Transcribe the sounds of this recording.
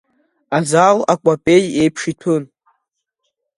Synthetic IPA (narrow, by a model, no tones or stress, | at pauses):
azalakʷʼapʼejejpʰʂitʰun